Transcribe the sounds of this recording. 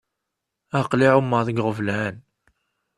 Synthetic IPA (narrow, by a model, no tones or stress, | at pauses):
æqliʕumːəðəɡʁəvlæn